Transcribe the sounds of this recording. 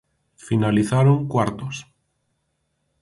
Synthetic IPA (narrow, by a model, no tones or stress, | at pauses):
finaliθaɾoŋkwaɾt̪os